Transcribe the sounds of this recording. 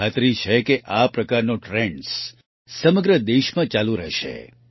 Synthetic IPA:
at̪ɾit͡ʃʰekeʔapɾəkaɾnoʈɾeɳɖs | səməɡɾəd̪eʃmãt͡ʃaluɾəʃḛ

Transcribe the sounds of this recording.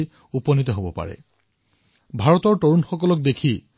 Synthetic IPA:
upɔnit̪̬ɔɦobɔpa̰ɹɛ̰ | bʱaɹɔtɔɹtoɹunxɔkɔlɔk̚d̪ekʰi

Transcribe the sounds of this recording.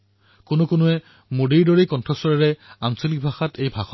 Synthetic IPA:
konʊkʊnʊɛ | modiɹdoɹekɔntʰɹɔsɔɹaɹɛansolik̚bʱaxatʰejbʱaxɔ

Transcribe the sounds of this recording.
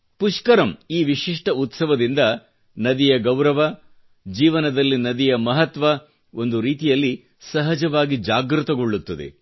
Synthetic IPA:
puʂkɐɾɐmiːʋiʂiʂʈɐut̪sɐʋɐd̪ind̪ɐ | nɐd̪ijɐɡɐwɾɐʋɐ | d͡ʒiːʋɐnɐd̪ɐlːinɐd̪ijɐmɐɦɐt̪ʋɐ | o̞nd̪uɾiːt̪ijɐlːi | sɐɦɐd͡ʒɐʋaːɡid͡ʒaːɡɾut̪ɐɡoɭːut̪ːɐd̪ḛ

